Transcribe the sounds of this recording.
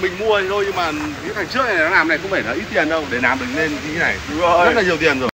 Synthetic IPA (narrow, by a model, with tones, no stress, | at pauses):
mï˨˩ŋ̟mu˧ə˨˩ŋzo˧jɲɨ˧maː˨˩˨ | t̪ʰa˨˩t͡ɕɨ˦˥ək̚na˨˩nɔ˨˦naː˨˩mna˨˩jkʊ̰˧˥ŋ͡mfe˧˩ɗɔː˨˦ʔi˦˥t̚t̪i˨˩ə˩nɗə˧wŋ͡mɗe˧˩naː˨˩mɗï˨˩ŋne˧n˧i˧t̪ʰna̰˨˧˩jzt̚laː˨˩ɲi˨˩əwt̪i˨˩ənzo˨˩j